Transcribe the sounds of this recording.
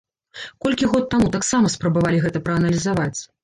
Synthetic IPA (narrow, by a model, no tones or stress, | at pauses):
kɔlʲkʲiɣɔt̪ːamut̪aksamɐspɾɐbavalʲiɣɛt̪ɐpɾɐɐnɐlʲizavat͡sʲ